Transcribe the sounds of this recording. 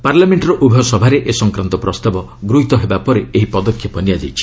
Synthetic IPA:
paɾlameɳʈɔɾɔʔubʱɔsɔbʱaɾeʔesɔŋkɾant̪ɔpɾɔst̪abɔ | ɡɾuɦit̪ɔɦebapɔɾeeɦipɔd̪ɔkʰjɔpɔnijad͡ʒa̰jt͡ʃʰi̥

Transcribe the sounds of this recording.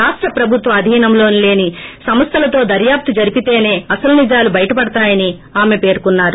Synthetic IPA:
aːʂʈɾɐpɾɐbʱut̪ʋɐɐd̪ʱiːnɐmlo̞ːnile̞ːnisɐmɐst̪ʰɐlɐt̪o̞ːd̪ɐɾjaːp̚t̪id͡ʒɐɾipit̪e̞ːne̞ːɐsɐlunid͡ʒaːlubɐjɐʈɐpɐɽɐt̪aːjɐni | aːme̞pe̞ːɾkunːaːɾu

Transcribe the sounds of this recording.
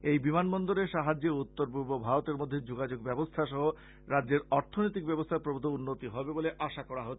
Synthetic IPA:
ejbimanbɔnd̪oɾeʃaɦad͡ʑeut̪ːoɾbuɾbobʱaɾot̪eɾmod̪ʱːed͡ʑoɡad͡ʑoɡbɛbost̪ʰaʃɔɦo | ɾadːeɾɔɾt̪ʰonojt̪ik̚bɛbost̪ʰaɾpɾobod̪ʱounːot̪iɦɔbeboleʔaʃakɔɽaɦo

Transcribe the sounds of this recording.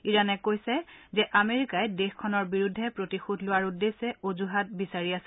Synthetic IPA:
iɹanɛkojsɛzɛʔameɹikajdexkʰɔnɔɹbiɹudʱːɛpɹotixudʱlʊwaɹudːesɛʔozuɦat̚bisaɹiasɛ

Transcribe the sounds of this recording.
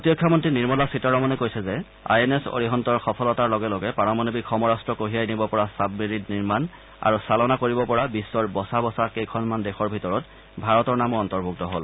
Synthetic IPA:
potijɔkʰːjamɔntɹiniɹmɔlasitɔɹɔmɔnɛkojsɛzɛ | a̰jeneso̰ɹiɦɔntɔɹxɔpʰɔlɔtaɹlɔɡɛlɔɡɛpanɔmɔnobikʰːɔmɔɹastɹɔkoɦiajnibɔpɔɹasabiɹitniɹman | a̰ɹusalɔnakoɹibɔpɔɹabisːɔɹbɔsabɔsakejkʰɔnmandɛxɔɹbʱitɔɹɔt | bʱaɹɔtɔɹnamɔɹɔntɔɹbʱuk̚tɔɦol

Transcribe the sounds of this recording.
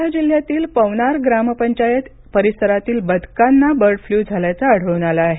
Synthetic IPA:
ad͡ʑil̤jat̪iːlpəʋnaɾɡɾaməpəɲt͡ɕajet̪ | pəɾisəɾat̪iːlbəd̪ʱkanːabəɾɖfluːd͡zʱaljat͡saːɽ̤ʱəʋnalaːɦe

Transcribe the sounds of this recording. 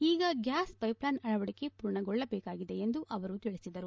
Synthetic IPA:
iːɡɐɡjaːspɐjplaːnɐɭɐʋɐɽike̞puːɾɳɐɡɔɭːɐbɛːkaːɡid̪e̞end̪uʔɐʋɐɾut̪iɭisid̪ɐɾu

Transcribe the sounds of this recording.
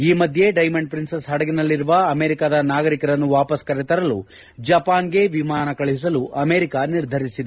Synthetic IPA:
iːmɐd̪ʱje̞ɖɐjmɐɳɖpɾinsɐsɦɐɽɐɡinɐlːiɾuʋɐɐme̞ːɾikad̪ɐnaːɡɐɾikɐɾɐnːuʋaːpɐskɐɾɛt̪ɐɾɐlṵ | d͡ʒɐpaːnɡe̞ʋimaːnɐkɐɭiis̬ɐluʔɐmeːɾikaniɾd̪ʱɐɾisid̪e

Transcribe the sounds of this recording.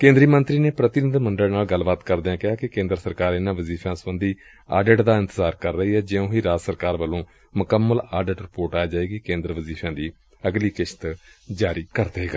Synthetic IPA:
kẽːnd̪ɾiːmənt̪ɾiːneːpɾət̪ɪnɪd̪məɳɖəlnaːlɡəlbaːt̪kəɾd̪eːãːkɪɦaːkɪkẽːnd̪ɾəsəɾkaːɾɪnãːʋəziːfʰãːsəbə̃nd̪iː | a̰ːɖeʈd̪aːɪnt̪əzaːɾkəɾːəɦiːɦɛːd͡ʒeːõːɦiːɾaːd͡ʒsəɾkaːɾbəlõː | mʊkəmːəlaːɖəʈɾɪpoːɾʈaːjaːd͡ʒaːeːɡiːkẽːnd̪ɾəʋəziːfʰãːd̪iː | əɡliːkɪʃə̥t̪d͡ʒaːɾiːkəɾd̪eːɦɛːɡa

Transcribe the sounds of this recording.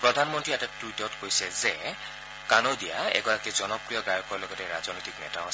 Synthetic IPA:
pɹɔdʱanmɔntɹiɛtatɹutɔtkojsɛzɛ | kanɔdija̰ɛ̰ɡɔɹakizɔnɔpɹijɔɡajɔkɔɹlɔɡɔtɛɹazɔnɔjtiknɛ̰taɔ

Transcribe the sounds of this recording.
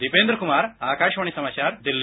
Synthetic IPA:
d̪ipeːnd̪ɾəkumaːɾaːkaːʃʋɐɳ̃isɐmaːt͡ɕaɾd̪ilː

